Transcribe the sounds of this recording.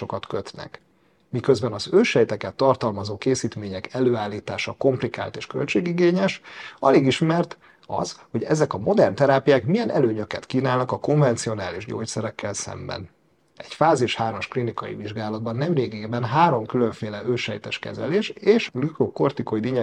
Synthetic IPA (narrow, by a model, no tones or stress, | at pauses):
okɒt̪køt̪nɛ̰k | mikøzbɛnɒzøːʃɛjt̪ɛkɛt̪ːɒrt̪ɒlmɒzoːkeːsiːt̪meːɲɛkɛløːaːlːiːt̪aːʃɒko̞mplika̰ːlt̪eːʃkø̰lt͡ʃeːɡiɡeːɲɛʃɒ̰leːɡiʃmɛrt̪ | ɒ̰zho̞ɟɛzɛkɒmo̞d̪ɛrnt̪ɛɾaːpijaːkmijɛnɛ̰løːɲø̞kɛt̪kiːnaːlnɒkɒko̞ɱvɛnt̪sio̞naːliʒɟo̰ːcsɛɾɛkːɛlsɛ̰mbɛ̰n | ɛcfaːziʃhaːrmɒʃklinikɒ̰jḭviʒɡaːlɒd̪̚bɒnːɛmreːɡeːbɛnɦaːɾo̞mkyløɱfeːlɛʔøːʃɛjt̪ɛʃkɛ̰zɛ̰leːʃeːʃɡlykroko̞rt̪ikoid̪iɲɛ